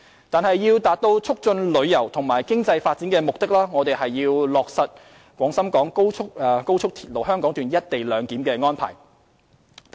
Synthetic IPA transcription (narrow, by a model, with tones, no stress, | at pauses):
t̪aː˨nhɐ˨jːiː˧wt̪aː˨t̚t̪o˧wt͡sʰʊ˥k̚t͡ʃɵ˧nlɵ˨˧ɥjɐ˨˩wt̪ʰʊ˨˩ŋmaː˨˩jkɪ˥ŋt͡sɐ˧jfaː˧t̚t͡siː˨˥nkɛː˧mʊ˨k̚t̪ɪ˥k̚laː˥ŋɔ˨˧t̪e˨jɦɐ˨jːiː˧wlɔː˨k̚sɐ˨t̚ | kʷɔː˨˥ŋsɐ˥mkɔː˨˥ŋko˥wʰʊ˥k̚ːko˥wt͡ʃʰʊ˥k̚t̪ʰi̥˨˩t̚lo˨˩ɦœː˥ŋkɔː˨˥ŋt̪yː˨njɐ˥t̚t̪e˨jlœː˨˧ŋkiː˨˥mkɛː˧ŋɔː˥npʰa̰ː˨˩j